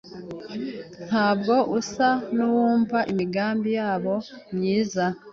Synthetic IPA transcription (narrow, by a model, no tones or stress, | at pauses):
n̥haːbɡo̞ʔusanuwuːmvaʔimiɡaːmbijaːβo̞mɲiːza